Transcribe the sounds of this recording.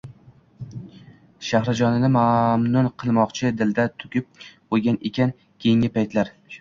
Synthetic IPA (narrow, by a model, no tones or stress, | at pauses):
ʃahɾad͡ʒɒnɪnɪmamnʊnqʰɨlˠmɒqt͡ʃʰɪd̪ɪld̪at̪ʰʊ̥kʲɪp̚ | ojɡʲanekʲʰan | kʲʰejɪŋʲɪpʰajt̪laɾ